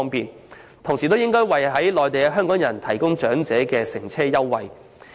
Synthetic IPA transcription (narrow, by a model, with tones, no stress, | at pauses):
ŋpiː˨n | t̪ʰʊ˨˩ŋsiː˨t̪o˥wjɪ˥ŋkɔː˥jwɐ˨jɦɐ˨˥jlɔː˨jt̪e˨jkɛ˧˥ɦœː˥ŋkɔː˨˥ŋjɐ˨˩nt̪ʰɐ˨˩jkʊ˥ŋt͡ʃœː˨˥ŋt͡sɛː˨˥kɛː˧sɪ˨˩ŋt͡sʰɛː˥jɐ˥wːɐ˨j